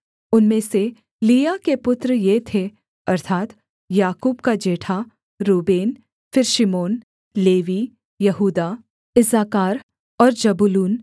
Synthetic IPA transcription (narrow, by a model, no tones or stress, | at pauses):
ʊnmẽse | liːjakepʊt̪ɾəjet̪ʰe | ɐɾt̪ʰaːt̪ | jaːkuːbkad͡ʒeːʈʰa | ɾuːbeːn | fɪɾʃɪmoːn | leːʋi | jɐɦuːd̪a | ɪzaːkaːɾ | ɔːɾd͡ʒɐbʊluːn